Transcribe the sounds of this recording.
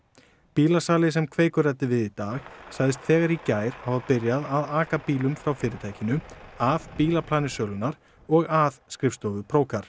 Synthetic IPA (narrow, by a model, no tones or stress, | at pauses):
piːlasaːlɪsɛmkʰveːjkʏrɛt̪ːɪvɪðit̪aːxsaɣðɪs̬t̪θɛːɣaɾicaːjɾ̥havaðpɪɾjaðaðaːkapiːlʏmfɾawfɪːɾɪt̪ʰaːjcɪnʏaðpiːlapʰlaːnɪsœːlʏnaɾ̥ | ɔɣaðskɾɪfst̪ɔvʏpʰɾoːwkaɾ̥